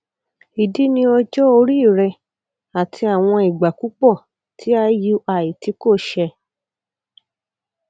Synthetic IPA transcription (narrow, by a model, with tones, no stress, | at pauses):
i˨di˨˦nĩ˧ɔ˧d͡ʒɔ˦o˧ɾi˦˨ɾɛ˧ | a˨tʰi˧a˨w̃ɔ̃˧i˨ɡ͡ba˨ku˨˦k͡pɔ˦˨ | tʰi˨˦a˧ju˦ʔa˨i˨ti˨˦ko˦˨ʃɛ˧